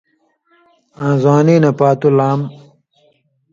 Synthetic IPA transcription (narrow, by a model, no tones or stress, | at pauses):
ãːzwaːniːnɐpaːt̪ulaːm